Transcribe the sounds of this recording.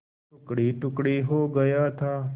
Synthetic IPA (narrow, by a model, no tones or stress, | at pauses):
ʊkɽiːʈʊkɽiːɦoːɡəjaːt̪ʰaː